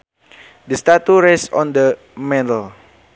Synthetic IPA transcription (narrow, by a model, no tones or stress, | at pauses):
dəst̪at̪uɾesɔ̰̃nd̪ə | mɛ̃dəl